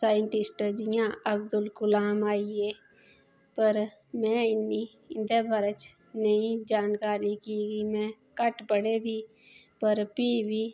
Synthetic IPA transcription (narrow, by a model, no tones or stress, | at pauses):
saːjə̃ɳʈɪsʈd͡ʒɪjãɐbd̪ʊlkʊlaːmaːie | pəɾ | mɛ̃ːɪnːi | ɪnd̪əbʱəɾət͡ʃ | nəɦĩd͡ʒaːnkaːɾikiːɡimɛ̃ː | kəʈpəɽebʱi | pəɾpiːbʱi